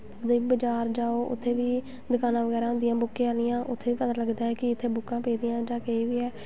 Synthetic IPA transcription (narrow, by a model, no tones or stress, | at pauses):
ʊd̪eːiːbəd͡ʒaːɾd͡ʒaːoːʔʊ̰t̪ʰːeːʋiː | d̪əkaːnãːʋəɡɛːɾaːɦʊ̃nd̪ɪjãːbʊkːẽːaːlɪjãːʔʊt̪ʰːeːʋiːpət̪aːləɡd̪aːɛːkɪɪt̪ʰːeːbʊkːãːpeːd̪ɪjãːd͡ʒãːkeiːʋiːɛː